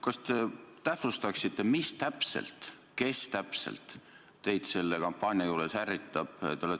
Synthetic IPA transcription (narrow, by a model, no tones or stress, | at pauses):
kɑst̪e̞t̪æpsust̪ɑksit̪ːˑe̞mist̪æpsḛlt̪ | ke̞st̪æpsḛlt̪ː | e̞jd̪̥se̞lːe̞kɑmpːˑɑːnʲiɑjuːɾesærːit̪ːˑɑb̥ḛole